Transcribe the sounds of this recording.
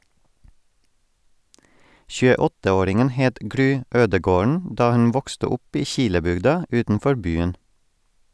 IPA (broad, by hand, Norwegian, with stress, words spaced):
çʉːəˈɔtə ˈoːɾɪŋən ˈheːt ˈɡɾyː ˈøːdəɡoːɳ ˈdɑː ˈhʉn ˈʋɔkstə ˈʊp ˈiː ˈçɪləbʏɡdɑ ˈʉːtn̩ˌfɔɾ ˈbyːən